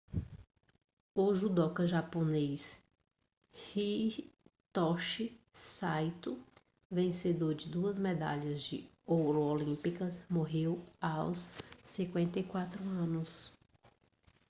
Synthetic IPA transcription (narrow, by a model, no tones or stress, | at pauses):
ʊʒud̪ɔkɐʒapones | hi | t̪ɔʃɪ | sajt̪ʊ | vẽsed̪oɾd͡ʒɪd̪uɐzmed̪a̰ʎɐzd͡ʒɪ̰ | owɾoolĩpikɐsmoɦewawsːĩkwẽnt̪ɐjkwat̪ɾʊɐ̃nʊs